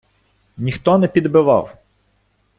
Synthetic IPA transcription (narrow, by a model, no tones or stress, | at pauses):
nʲixt̪ɔnɛpʲid̪bɪʋɑ̰w